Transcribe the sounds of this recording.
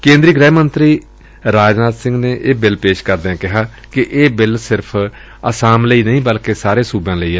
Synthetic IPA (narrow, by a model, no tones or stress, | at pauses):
kẽːnd̪ɾiːɡɾɛːmənt̪ɾiː | ɾaːd͡ʒnaːt̪sɪ̃ŋɡneːʔeːbɪlpeːʃkəɾd̪eːɛ̃ːkɪɦaː | kɪʔeːbɪlsɪɾpʰ | ə̰saːmləiːnəĩːbəlkeːsaːɾeːsuːbãːləiːɛː